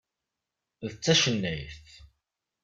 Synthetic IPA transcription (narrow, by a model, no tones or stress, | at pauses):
ðət͡sːæʃənːæjθ